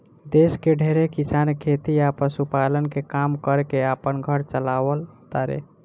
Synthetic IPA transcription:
d̪eskeɖʱeɾekisankʰet̪iapəsupalənkekamkəɾkeapənɡʱəɾt͡ʃəlawəlt̪əɾḛ

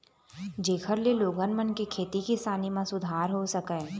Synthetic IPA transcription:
d͡ʒeːkʰəɾleloːɡənmənkikʰeːt̪ikisaːnimãsʊd̪ʱaːɾɦosəkɛ

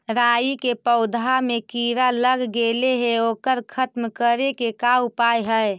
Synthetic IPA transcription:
ɾaːikepəʊd̪ʱamekiɾaləɡɡeleɦeoːkəɾkʰət̪mkəɾekekaupajɦəe

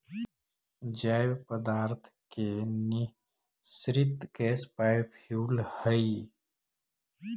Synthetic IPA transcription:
d͡ʒaːjwpəd̪aːɾt̪ʰkeni | sɾɪt̪kespajpʰjuːlhəi

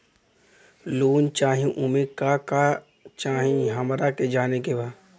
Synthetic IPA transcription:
loːnt͡ʃaːɦĩʔumekaka | t͡ʃaːɦĩɦɐmɾaked͡ʒaːnekebaː

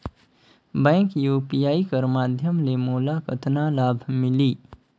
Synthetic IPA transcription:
bə̃ŋkjupijaːikəɾmad̪ʱjəmlemuːlakət̪nalabʱmili

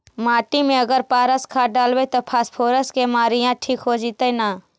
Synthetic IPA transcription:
maːʈimẽəɡəɾpaːɾəskʰaɖaːlʋet̪opʰaːspʰoːɾəskemaːɾijãʈʰiːkɦod͡ʒit̪enaː

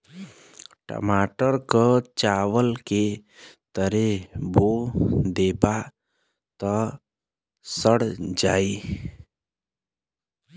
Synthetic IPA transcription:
ʈə̰maːʈəɾkət͡ʃaːʋəlket̪əɾebod̪eːba | t̪ə | səɽd͡ʒaːi

